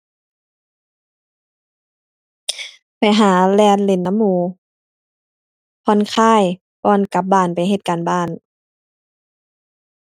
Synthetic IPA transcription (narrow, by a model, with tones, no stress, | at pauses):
pa˨˩jɦaː˨˦lɛː˧nle˨˦nːa˧˦mːuː˨˧˦ | pʰɔ˧˥˨nkʰaː˧˥˨j | pɔː˧˥˨nka˧˦p̚baː˧˥˩npa˨jɦe˧t̪̚kaː˨nbaː˧˥˩n